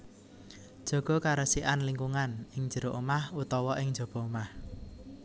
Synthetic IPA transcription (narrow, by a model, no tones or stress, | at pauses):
d̥ʒ̥ɔ̤ɡ̥ɔ̤kaɾəsiʔanliŋkuŋanɪŋd͡ʒə̤ɾoʔumahut̪ɔwɔʔɪŋ̥d͡ʒɔ̤b̥ɔ̤umah